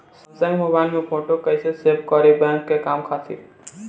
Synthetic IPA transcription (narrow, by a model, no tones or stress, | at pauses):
s | sə̃mobaɪlmẽpʰoʈokəɪsesebkɔɾibɛ̃ŋkːekaːmkʰatʰḭ